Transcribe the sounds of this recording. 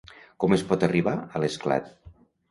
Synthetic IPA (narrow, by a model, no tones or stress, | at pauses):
kɔmespɔt̪əriβ̞aələskla̰t̪̚